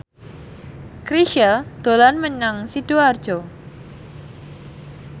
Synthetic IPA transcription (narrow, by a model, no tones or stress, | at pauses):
kɾiʃəld̪̥olanməɲaŋsid̥oard̥ʒ̥o